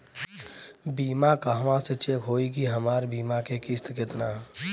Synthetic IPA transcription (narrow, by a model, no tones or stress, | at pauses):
biːmakaːɦʋãset͡ʃekɦoːikiɦəmaːɾbiːmakekɪst̪kɪt̪naː